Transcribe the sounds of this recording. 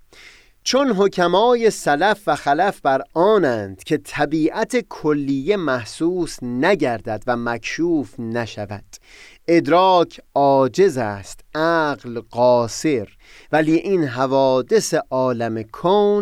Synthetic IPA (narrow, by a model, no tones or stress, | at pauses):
t͡ʃʰonɦo̞cʰæmɒːjesælæfvæxælæfbæɾɒːnæːnd̪̥cʰe̞t̪ʰæbiːʔæt̪ʰekʰolːijːe̞mæhsuːsnæɟæɾd̪æd̪væmækʰʃuːfnæʃævæ̰d̪̥ | e̞d̪ɾɒːcʰɒːd͡ʒe̞zæːst̪ʔæːɢlɢɒːse̞ɾ | væliːʔinɦævɒːd̪e̞seʔɒːlæmekʰoːn